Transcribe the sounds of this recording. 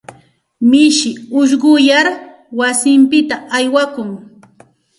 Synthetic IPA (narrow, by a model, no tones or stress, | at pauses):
mɪʃɪʊʃ̬ɢʊjaɾ | wasɪmpɪt̪aajwakʊŋ